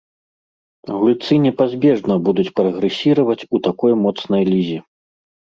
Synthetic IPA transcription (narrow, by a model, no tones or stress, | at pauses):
ɣulʲt̪sɨnʲɛpazʲbʲɛʐnɐbud̪ut͡sʲpɾɐɣɾɛsʲiɾɐvɐt͡sʲut̪akɔjmɔt̪snɐjlʲizʲi